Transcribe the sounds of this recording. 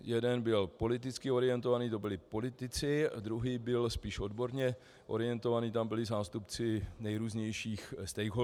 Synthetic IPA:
jɛdɛnbɪlpo̞lɪt̪ɪt͡skɪo̞ɾɪjɛnt̪o̞vaniːt̪o̞bɪlɪpo̞lɪt̪ɪt͡sɪd̪ɾuɦiːbɪlspiːʃo̞dbo̞ɾɲɛ | ʔo̞̰ɾɪɛnt̪o̞vaniːt̪ambɪlɪzaːst̪upt͡sɪnɛjɾuːzɲɛjʃiːxst̪ɛjɦo

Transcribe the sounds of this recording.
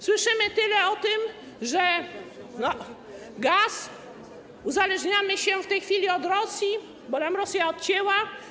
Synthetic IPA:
swɘʂɘmɘt̪ɘlɛɔt̪ɪm | ʐɛnɔ | ɡas | uzalɛʐɲamɘɕɛft̪ɛjxfʲilʲiɔd̪ɾɔsji | bɔt̪amɾɔsʲjaɔt̪̚t͡ɕɛwa

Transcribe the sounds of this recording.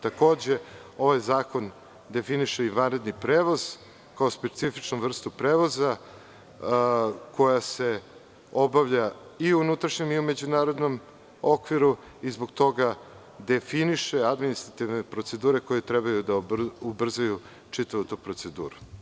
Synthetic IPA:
t̪ako̞ːd͡ʑe̞o̞ʋajzaːko̞n | d̪e̞finiʃeiʋanɾe̞d̪nipɾeːʋo̞z̥ | kaospe̞t̪sifit͡ʃnuvr̩st̪upɾeːʋo̞za | ko̞jase̞ | o̞baʋʎaiuunut̪ɾaʃɲemiume̞d͡ʑunaːɾod̪no̞m | o̞kʋiɾu | izbo̞ɡt̪o̞ɡa | d̪efiniʃe̞ad̪minist̪ɾat̪iʋne̞pɾo̞t̪se̞d̪uːɾe̞ko̞jet̪ɾebajud̪aubr̩zaju | t͡ʃit̪aʋut̪upɾo̞t̪se̞d̪ṵːɾu

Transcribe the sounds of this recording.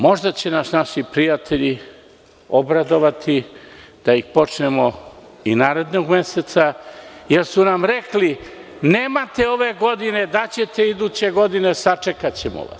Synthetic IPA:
mo̞ʒd̪at͡ɕe̞nasnaʃipɾijat̪ʰe̞ʎi | o̞bɾad̪o̞ʋat̪ʰid̪̥aixpo̞t͡ʂnemo | inaːɾe̞d̪noɡme̞set̪sajeɾsunamɾekli | neːmat̪eo̞ʋe̞ɡo̞d̪ine̞d̪at͡ɕe̞t̪e̞id̪uːt͡ɕe̞ɡo̞d̪ine̞sat͡ʂekat͡ɕemo̰ʋa̰s

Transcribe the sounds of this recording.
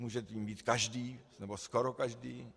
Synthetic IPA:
muːʒɛt̪iːmbiːt̪kaʒdiːnɛboskoɾokaʒdiː

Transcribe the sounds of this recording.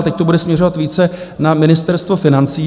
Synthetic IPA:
t̪ɛc̚t̪obudɛsmɲɛro̞vat̪viːt͡sɛnamɪnɪst̪ɛɾst̪vofɪnant͡siː

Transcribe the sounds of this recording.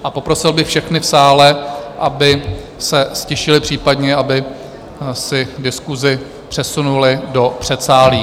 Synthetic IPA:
ʔapo̞pɾo̞sɪlbɪxfʃɛxnɪfsaːlɛʔabɪ | sɛscɛʃɪlɪpr̝̥iːpadɲɛʔabɪ | sɪdɪskuzɪ | pr̥ɛsunulɪdo̞pr̥ɛt̪saːliː

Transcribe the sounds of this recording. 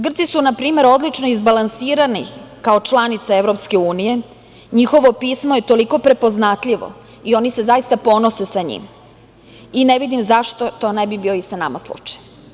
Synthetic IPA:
ɡr̩t̪sisunapɾiːme̞ɾo̞d̪lit͡ʃno̞izbalansiːɾanḭkaot͡ʃlˠanit̪saeʋɾo̞pske̞uːnije̞ | ɲixo̞ʋo̞piːsmo̞je̞t̪o̞liko̞pɾe̞po̞znat̪ʎiʋo̰ | io̞nise̞zaist̪apo̞nose̞saɲḭm | ineʋid̪imzaʃt̪o̞t̪o̞nebibio̞isanamaslˠṵt͡ʃḁj

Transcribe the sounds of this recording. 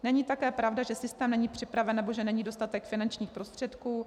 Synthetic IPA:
nɛɲit̪akɛːpɾavdaʒɛsɪst̪ɛːmnɛɲiːpr̝̥ɪpɾavɛnːɛbo̞ʒɛnɛɲiːdo̞st̪at̪ɛkfɪnant͡ʃɲiːxpɾost̪r̥ɛt̪kuː

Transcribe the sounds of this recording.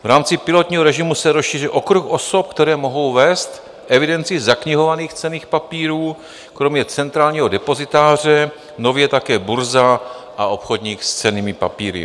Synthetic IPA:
vɾaːmt͡sɪpɪlo̞t̪ɲiːɦoɾɛʒɪmusɛɾosʃiːr̝ɪʔo̞kɾuxʔoso̞p̚kt̪ɛɾɛːmo̞ɦo̞wvɛːst̪ | ʔɛvɪdɛnt͡sɪzakɲɪɦo̞vaniːxt͡sɛniːxpapiːɾuː | kɾo̞mɲɛt͡sɛnt̪ɾaːlɲiːɦodɛpo̞zɪt̪aːr̝ɛ | no̞vjɛt̪akɛːbuɾza | ʔaʔo̞pxo̞dɲiːxst͡sɛniːmɪpa̰piːɾɪ̰

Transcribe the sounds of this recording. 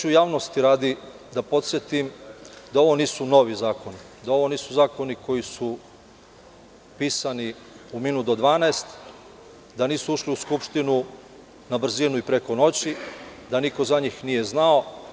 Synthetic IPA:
ujaːʋnost̪iɾaːd̪i | d̪apo̞t̪sʲje̞t̪imd̪ao̞ʋo̞niːsuno̞ʋizaːko̞ni | d̪ao̞ʋo̞niːsuzaːko̞niko̞jisu | piːsani | uminud̪o̞d̪ʋaːneest̪ | d̪aniːsuuʃliuskupʃt̪inu | nabr̩zinuipɾe̞ko̞no̞t͡ɕid̪aniko̞zaɲiːxnije̞znao̞

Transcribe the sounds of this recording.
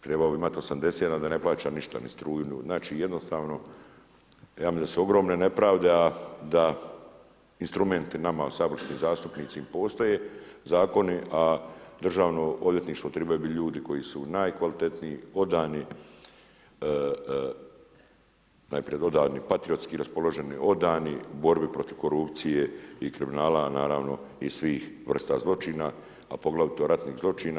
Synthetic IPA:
t̪ɾebalobiimat̪iosamd̪e̞seːt̪ad̪ane̞plˠaːt͡ʃaːniʃt̪a̰nḭst̪ɾuːjinjṵznaːt͡ʃiːjed̪nost̪aːʋno̞ | jaːmid̪d̪asuo̞ɡɾo̞ːmnene̞pɾaːʋd̪e̞ad̪a | inst̪ɾume̞nt̪inamausaːblisniːzaːst̪upniːt̪siimpo̞ːst̪ajeːzaːko̞niʔad̪ɾr̩ʒaːʋnooʋlje̞t̪niːʃt̪ʋo̞t̪ɾebajubiʎuːd̪iko̞jisunajkʋalit̪e̞t̪nijio̞d̪aːni | na̰jpɾijed̪o̞d̪aːnipat̪ɾijo̞t̪skiɾaspo̞lo̞ʒe̞niʔo̞d̪aːnibo̞ɾbipɾo̞t̪iʋko̞ɾupt̪sije̞ikɾiminaːlanaːɾaːʋno̞isʋiːxʋr̩st̪a̰zlˠo̞t͡ʃiːna | apo̞ɡlˠaʋit̪oɾat̪niːɣzlˠo̞t͡ʃiːna

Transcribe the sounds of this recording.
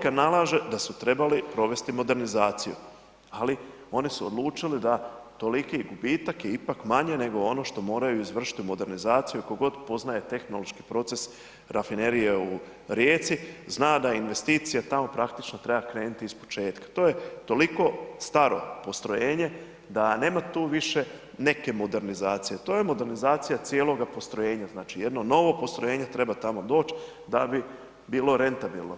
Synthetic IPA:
kanalaːʒe̞d̪asut̪ɾe̞balipɾo̞ʋe̞st̪imo̞d̪e̞ɾnizaːt̪sijṵ | ali | o̞nisuod̪lˠuːt͡ʃilid̪at̪o̞likiɡubiːt̪akjeipakmaɲe̞ne̞ɡo̞o̞no̞ʃt̪o̞mo̞ːɾajuizʋr̩ʃi̥t̪iumo̞d̪e̞ɾnizaːt̪sijukoɡo̞d̪po̞znaje̞t̪e̞xno̞lo̞ʃki̥pɾo̞t̪se̞s | ɾafine̞ɾijeu | ɾjeːt̪siznaːd̪ainʋe̞st̪iːt̪sijat̪amo̞pɾakt̪i̥t͡ʃnot̪ɾe̞bakɾe̞ːnut̪iispo̞̥t͡ʃe̞ːt̪kḁt̪o̞ːje̞t̪o̞liko̞st̪aɾo̞̰po̞st̪ɾo̞jeːɲe̞ | d̪ane̞ːmat̪uːʋiʃe̞ | ne̞ke̞mo̞d̪e̞ɾnizaːt̪sijet̪o̞ːje̞mo̞d̪eɾnizaːt̪sijat̪sjelˠo̞ɡapo̞st̪ɾojeːɲaznaːt͡ʃijed̪nono̞ʋo̞po̞st̪ɾojeːɲet̪ɾe̞bat̪amo̞d̪o̞ːt͡ɕ | d̪abi | biːlo̞ɾe̞nt̪abḭlno

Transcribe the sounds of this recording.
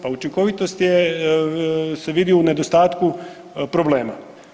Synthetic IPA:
paut͡ʃiŋko̞ʋit̪o̞st̪je | se̞ʋid̪iune̞d̪ost̪aːt̪ku | pɾo̞ble̞ːma̰

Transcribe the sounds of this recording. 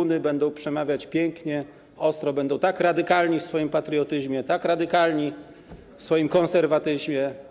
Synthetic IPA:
unɘbɛnd̪ɔ̃w̃pʂɛmavʲjat͡ɕpʲjɛŋkɲɛ | ɔst̪ɾɔbɛnd̪ɔ̃w̃t̪akɾad̪ɘkalɲifsfɔjimpat̪ɾɨɔt̪ɘʑmʲjɛt̪akɾad̪ɘkalɲi | fsfɔjimkɔ̃nsɛɾvat̪ɘʑmʲjɛ

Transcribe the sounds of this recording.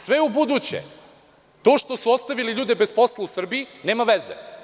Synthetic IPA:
sʋeubud̪ut͡ɕḛ | t̪o̞ːʃt̪o̞suost̪aʋiliʎuːd̪ebesposlˠausr̩biineːmaʋezḛ

